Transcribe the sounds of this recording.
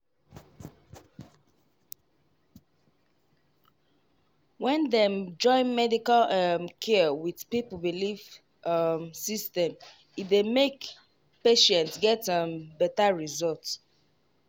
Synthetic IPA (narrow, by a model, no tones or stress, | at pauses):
wɛ̃ndɛmd͡ʒɔ̃ɪ̃nmɛdikalmkʰɛwidpipbilif | msistɛ̃m | idemek | peʃɛ̃ntsɡɛtãbɛtaɹizɔlt